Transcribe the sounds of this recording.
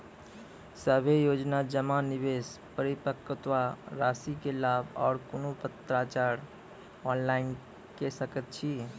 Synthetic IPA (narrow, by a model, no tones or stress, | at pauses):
səbʱejod͡ʒnad͡ʒəmanibespəɾipəkːt̪ʋaɾasikelabʱɔ̰ːɾkonopət̪ɾat͡ʃaɾ | ɔnlain | kesəkət̪̚t͡ʃʰi